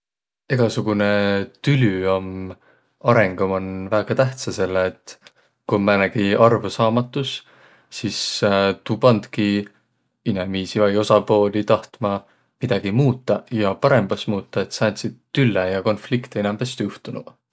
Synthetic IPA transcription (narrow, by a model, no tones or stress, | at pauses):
eɡ̥ɑsuɡ̥unet̪ylʲyom | ɑɾe̞ŋɡ̥ɑmonvæːɡ̥ɑt̪æht̪sɑse̞lːt̪ːˑ | kumænæɡ̥iɑrvusɑːmɑt̪ːˑus | sist̪uːpɑnd̪̥ki | inemiːsivɑjo̞sɑpo̞ːlit̪ɑht̪mɑ | mid̪ɑɡ̥imuːt̪ːˑɑjɑpɑɾe̞mb̥ɑsmuːt̪ːɑet̪sæːnt̪sid̪t̪ːylːejɑko̞nflikt̪eenɑmb̥est̪juht̪unṵ